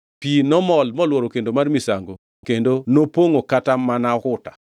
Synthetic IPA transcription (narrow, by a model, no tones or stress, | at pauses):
pinɔmɔlmɔlwɔɾokendomarmisaŋɡo | kendonopoŋokatamanakʊta